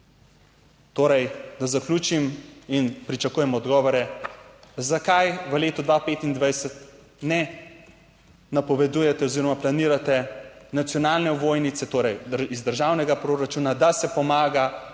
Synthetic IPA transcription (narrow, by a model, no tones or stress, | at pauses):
t̪oːɾɛjd̪azaklʲuːt͡ʃiminpɾit͡ʃakuːjɛmɔd̪ɡɔːʋɔɾɛ | zakajʋəleːt̪ɔd̪ʋapeːt̪ind̪ʋajsɛt̪ | nɛ | napɔʋɛd̪uːjɛt̪ɛoziːɾɔmaplaniːɾat̪ɛnat̪sjɔnaːlnɛʋoːjnit̪sɛt̪oːɾɛjizd̪əɾʒawnɛɡapɾoːɾat͡ʃuːnad̪asɛpɔmaːɡa